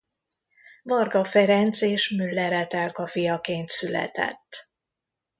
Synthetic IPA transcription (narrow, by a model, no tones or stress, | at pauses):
vɒrɡɒfɛɾɛnt̪seːʃmylːɛɾɛt̪ɛlkɒfijɒkeːnt̪sylɛ̰t̪ɛ̰t̪ː